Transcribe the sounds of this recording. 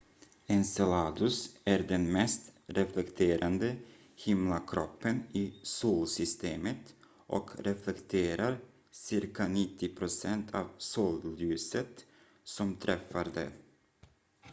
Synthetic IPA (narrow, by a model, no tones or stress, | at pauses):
ɛnsɛlɑːd̪ɵsæɾɖɛnmɛst̪ɾɛflɛkt̪ʰeːɾʔand̪ə | hɪmlakʰɾɔpːənɪsuːlsʏst̪eːmət̪ | ʔɔ̰kɾɛflɛkt̪ʰeːɾaɾ | sɪɾkanɪt̪ʰːɪpʰɾʊsɛnt̪ʰɑːvsuːljʉ̟ːsət̪ | sɔmt̪ʰɾʔɛfːaɾd̪ɛ̰